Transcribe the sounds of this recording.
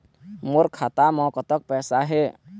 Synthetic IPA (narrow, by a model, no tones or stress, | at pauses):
moɾkʰat̪amɔ̃kət̪ək̚pɛːsaɦe